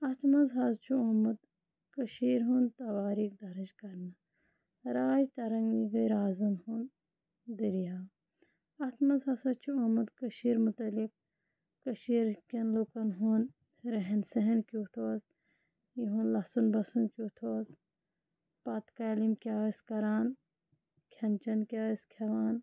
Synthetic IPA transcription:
ɐt̪ʰmɐzɦɐzt͡ʃʰuomɐd̪ | kɐʃiːɾɦunt̪ɐbaːɾiːk̚d̪ɐɾɐd͡ʒkɐɾnɐ | ɾaːjt̪ɐɾɐŋɡiɡɐjɾaːzɐnhun | d̪iɾijaː | ɐt̪ʰmɐzɦɐsɐt͡ʃʰuomɐd̪kəʃiːɾmut̪ɐlik̚ː | ɐʃiːɾkʲɐnlukɐnɦun | ɾɐɦensɐɦɐnkʲut̪ʰoːs | jiɦunlɐsunbɐsunkʲjut̪ʰoːs | pɐt̪kaːlimkʲaːɐskɐɾaːn | kʲʰɐnt͡ʃɐnkʲaːɐskʰɐʋaːn

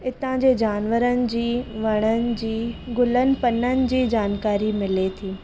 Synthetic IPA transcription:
ɪt̪ãd͡ʑeːd͡ʑaːnʋəɾənɪ̆d͡ʑiːʋɐɽ̃ənɪ̆d͡ʑiːɡʊlənɪ̆pɐnənɪ̆d͡ʑiːd͡ʑaːnkaːɾimɪlet̪ʰiː

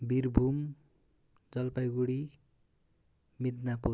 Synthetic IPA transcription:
biɾbʱum | d͡zʌlpajɡuɽi | mid̪napo

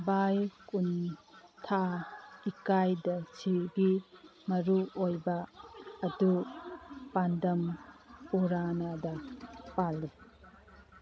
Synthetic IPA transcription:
bajkuntʰaikajdɐsʰiɾɡimɐɾuojbɐː | du | pandɐmpuɾanadɐpali

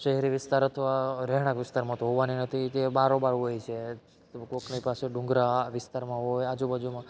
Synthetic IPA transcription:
ʃeɦɛɾiʋɪst̪aɾət̪ʰəʋaɾɛɦɽ̃ãkʋɪst̪aɾmãt̪oɦɔʋaninət̪ʰit̪ebaɾobaɾɦojt͡ʃʰe | koknipaseɖũŋɡɾaʋɪst̪aɾmãɦojad͡ʒubad͡ʒumã

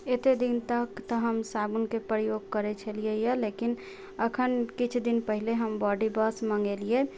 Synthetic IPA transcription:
et̪ed̪int̪əkt̪ɔɦəmsabunkepɾəjoɡ̚kəɾet͡ʃʰəliejalekin | əkʰənkit͡ʃʰd̪inpəɦileɦəmbɔɖibəsməŋɡelie

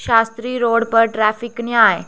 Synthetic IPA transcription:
ɕast̪ɾiːɾoɽpəɾʈɾæfiknjaj

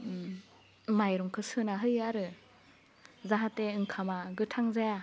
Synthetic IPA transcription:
majɾɔŋkʰɯsɯnaɦɯjaɾɯ | zaɦateɯŋkʰamaɡɯtʰaŋzea

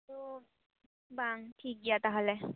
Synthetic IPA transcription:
t̪u | baŋʈʰik̚ɡijat̪aɦɔlɛ

